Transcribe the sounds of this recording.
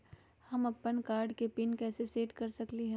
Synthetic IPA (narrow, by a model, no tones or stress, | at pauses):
hɐmɐpːənkaːɾɖkepɪnkɛːseseːʈkɐɾsɐkliɦɛ̃